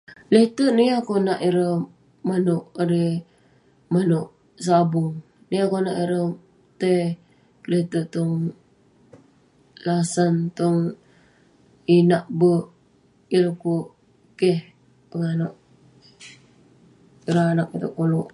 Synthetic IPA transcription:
let̪əʔniakonaʔiɾə | manuʔɾi | manuʔ | sabʊŋ | niakonaʔiɾə | t̪e | let̪əʔt̪uŋ | lasant̪oŋ | inaʔbə | iɾəku | keh | pəŋanoʔ | iɾəanak̚it̪əʔkoluʔ

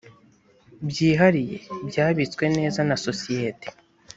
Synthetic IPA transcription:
bjiːɦaɾije̞̰bjaːβit͡skwe̞ne̞ːzanaso̞sije̞te̥

